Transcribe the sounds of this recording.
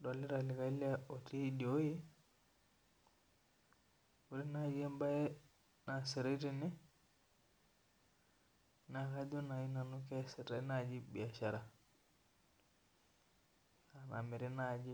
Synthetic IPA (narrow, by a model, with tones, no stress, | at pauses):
do˨li˦ɾa˨li˨ka˨˦li˦a˦o˨ti˦di˨o˦ji˦ | u˨ɾi˦na˦d͡ʒe˦mba˦jɛ˦ | na˨se˨ɾe˦ti˦˨ni˦ | na˨ka˦do˦na˨ji˦na˨nu˦kɛ˦sɛ˨ta˨˦na˨d͡ʒi˦bi˨a˨ʃa˨ɾa˨ | a˨na̰˨mi˨ɾi˦na˨d͡ʒi˦